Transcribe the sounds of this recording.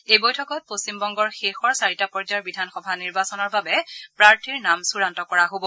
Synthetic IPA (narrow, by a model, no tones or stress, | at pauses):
ejbojtʰɔkɔt̚postimbɔŋɡɔɹxexɔɹsaɹitapɔɹd͡ʒaɹbidʱanxɔbʱaniɹbasɔnɔɹbabɛpɹaɹtʰiɹnamsuɹantɔkɔɹaɦobɔ